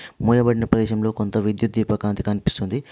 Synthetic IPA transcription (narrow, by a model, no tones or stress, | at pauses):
muːjɐbɐɽinɐpɾɐd̪ɛːʃɐmlo̞ːkont̪ɐʋid̪jut̪̚d̪iːpɐkaːnt̪i̥kɐnipi̥st̪und̪i